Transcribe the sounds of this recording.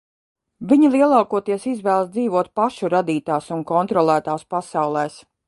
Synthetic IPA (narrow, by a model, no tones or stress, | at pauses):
viɲilˠiɛlˠaːkuɔt̪iɛsizvæːlˠsd̪iːvuɔt̪̚paʃuɾad̪iːt̪aːsunkɔnt̪ɾɔlˠæːt̪aːspasɑwlˠɛːs